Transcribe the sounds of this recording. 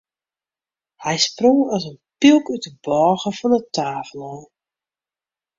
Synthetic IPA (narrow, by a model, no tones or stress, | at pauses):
hɛjsproŋɔsənpilˠkytəbɔːɣəfɔnətʰaːfəlˠɔ